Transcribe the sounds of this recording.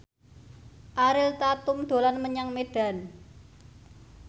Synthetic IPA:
ʔaɾɪlt̪at̪ʊmd̪̥o̤lanməɲaŋmeɖ̥a̤n

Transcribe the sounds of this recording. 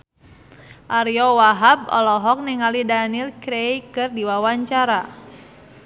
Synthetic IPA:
ʔaɾiɔwaɦab̚ɔ̰lɔɦɔk̚niŋalidanilkɾejkɨrdiwawaɲt͡ʃaɾa

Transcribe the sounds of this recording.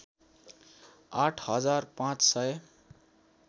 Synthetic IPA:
aʈʰɦʌd͡zarpãt͡ssʌj

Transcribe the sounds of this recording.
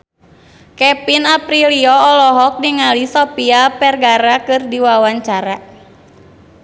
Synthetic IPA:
kɛpinapɾiliɔːlɔɦɔk̚diŋalisɔpiapɛrɡaɾakɨrdiwawaɲt͡ʃaɾa

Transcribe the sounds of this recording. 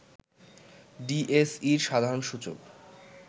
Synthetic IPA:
ɖiʔesiɾʃad̪ʱaɾonʃut͡ɕo̰k

